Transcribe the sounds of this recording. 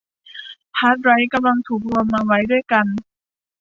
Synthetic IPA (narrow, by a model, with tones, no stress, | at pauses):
pʰaː˦˥t̪̚ɾa˦˥jka˧mla˧ŋt̪ʰuː˨˩k̚lu˧əmːaː˧wa˦˥jdu˥˩əjka˧n